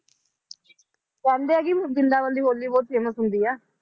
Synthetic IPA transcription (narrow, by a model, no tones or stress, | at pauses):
kɛ̃ːnd̪eːɛːkiːd͡ʒɪnd̪aːʋənd̪iːɦoːld̪iːbɔːt̪̚seːmət̪ɦʊnd̪iːɛː